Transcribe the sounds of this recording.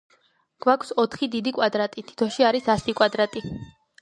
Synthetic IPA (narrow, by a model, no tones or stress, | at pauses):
ɡ̥wakʰsɔt̪ʰχid̪id̪ikʼwad̪ɾat̪ʼit̪ʰi̥t̪ʰɔʃiaɾisasikʼwad̪ɾat̪ʼi